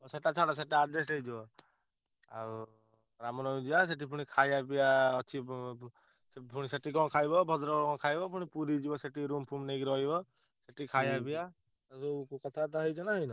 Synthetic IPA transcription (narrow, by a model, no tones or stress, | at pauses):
ɔseʈat͡ʃʰaɽɔs̬eʈaːd̪esejd͡ʒibɔ | a̰ɾu | ɾamɔnɔud͡ʒias̬eʈipʰuɽ̃ikʰajapijaɔt͡ʃʰi | epʰuɽ̃iseʈikɔnkʰajbɔbʱɔd̪ɾɔkkɔ̃kʰajbɔpuɽ̃ipuɾid͡ʒibɔseʈiɾumpʰumneɡiɾɔɦibɔ | seʈikʰajapija | asɔukukɔt̪ʰat̪aɦɔjd͡ʒɔnaɦɔjnɔ